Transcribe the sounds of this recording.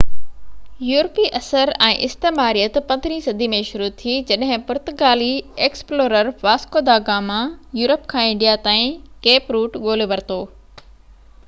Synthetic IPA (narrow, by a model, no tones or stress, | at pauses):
juːɾpiʔɐsəɾɛ̃ːʔɪst̪eːmaːɾijət̪pɐ̃nd̪ʱɾĩsɐd̪ʱimẽʃʊɾut̪ʰid͡ʑɐɗɦɪ̃pʊɾt̪ʊkaːlieːksploːɾəɾʋaːskoːd̪aːɡamãjuːɾəpkʰãːɪ̃ɳɖijat̪ãːĩkeːpɾuːʈɠoːleʋɐɾt̪oː